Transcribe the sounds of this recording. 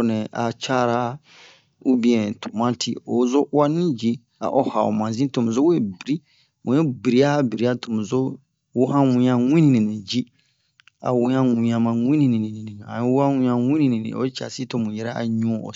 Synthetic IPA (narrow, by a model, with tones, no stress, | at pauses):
nɛ̃˨ʔa˨t͡ʃa˦ɾa˦ | u˦bĩ˨ɛ̃˨tʰo˨mã˦tʰḭ˦˨o˨˦zo˦wa˦nĩ˦d͡ʒi˦ | a̰˨ʔo˦ha˨o̰˨mã˨zĩ˦to˨mũ˨zo˦we˦˨bi˨ɾi˦ | mũ˨ɛ̃˦bi˨ɾi˨˦a˦bi˨ɾi˨˦a˦tʰo˨mũ˨zo˦ | wo˦hã˦wũ˨˦ɲã˨ŋʷĩ˦nĩ˨nĩ˨nĩ˨d͡ʒi˦ | a̰˨wũ˦ã˦ŋũ˨ɲã˨mã˨ŋʷĩ˦nĩ˨nĩ˨nĩ˨nĩ˨nĩ˨ã˨˦wa˦wũ˨˦ã˨ŋʷĩ˦nĩ˨nĩ˨nḭ̃˨o̰˦t͡ʃa̰˨si˦to˦mũ˨jɛ˦ɾɛ˦a̰˨ɲũ˦˨o̰˨